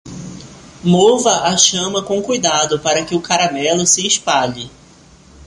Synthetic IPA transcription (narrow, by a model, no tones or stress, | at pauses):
movɐʔaʃɐ̃mɐkõkujd̪ad̪ʊpaɾɐkɪʊkaɾamɛlʊsɪːspaʎɪ